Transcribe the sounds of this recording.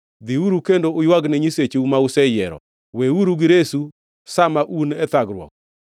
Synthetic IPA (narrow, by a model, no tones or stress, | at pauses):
d̪iuɾukendoʊjwaɡnɪɲiset͡ʃeumausɛjɛɾɔ̰ | weuɾuɡɪɾesu | samaʔunɛt̪aɡɾwɔ̰k̚